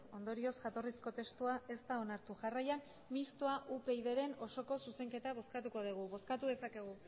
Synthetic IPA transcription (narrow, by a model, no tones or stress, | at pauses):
o̞nd̪o̞ɾio̞sʝat̪o̞risko̞t̪e̞st̪uaʔe̞st̪ao̞naɾt̪uʝarajan | mist̪oaʔupe̞iðe̞ɾe̞no̞so̞ko̞suse̞ŋke̞t̪aβ̞o̞skat̪uko̞ð̞iɣ̞uβo̞skat̪uðe̞sake̞ɣ̞u